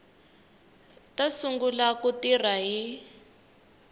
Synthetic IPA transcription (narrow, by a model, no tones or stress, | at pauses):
tasuŋɡulakutir̤aɦi